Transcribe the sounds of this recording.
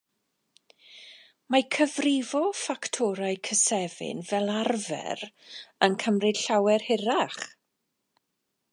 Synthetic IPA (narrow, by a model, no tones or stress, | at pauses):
makʰəvrɪvɔfaktʰɔɾaɨkʰəsɛvɪ̰nvɛlˠarvɛ̰ɾənkʰəmrɨd̥ɬawɛrhɪɾaχ